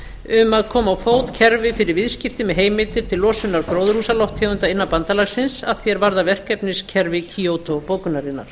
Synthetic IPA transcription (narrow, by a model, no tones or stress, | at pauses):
ʏmaðkʰɔːmaawfoːwt̪cʰɛɾvɪfɪɾɪɾvɪðscɪft̪ɪmɛðɦeːjmɪlt̪ɪɾ̥t̪ʰɪllɔːsʏnaɾkɾoːwðrusalɔht̪ʰɛːʏnt̪aɪnːapant̪alaɣsɪnsaðθjɛɾvaɾðavɛr̥kɛpnɪscʰɛɾvɪcʰioːwt̪opoːwkʏnaɾɪnːa̰ɾ̥